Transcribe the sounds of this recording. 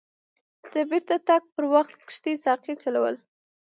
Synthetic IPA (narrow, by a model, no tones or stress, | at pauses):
d̪̥əbɪɾt̪at̪aɡ̚pəɾwaxt̪kʃt̪isɑqit͡ʃalawə̰l